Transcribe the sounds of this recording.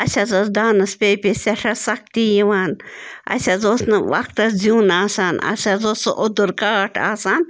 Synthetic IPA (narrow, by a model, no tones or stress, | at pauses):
ɐsazosd̪aːnɐspʲeːpʲisʲɐʂɐsɐk̚t̪ijiʋaːnɐ̰sʲazoːsnɨʋɐ̰k̚t̪ɐszuːnaːsaːnɐ̰sʲazoːsʔʊd̪uɾkaːʈʰa̰ːsaːn